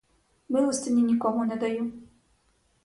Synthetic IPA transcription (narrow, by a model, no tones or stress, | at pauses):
mɨusʲt̪ʲɨnʲinʲikɔmunʲɛd̪ajim